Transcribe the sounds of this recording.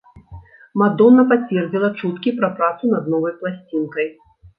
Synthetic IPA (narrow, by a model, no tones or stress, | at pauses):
mad̪ɔnːɐpat͡sʲvʲɛrd͡zʲilˠɐt͡ʂut̪kʲipɾɐpɾat̪sunɐd̪nɔvɐjplˠasʲt͡sʲinkɐj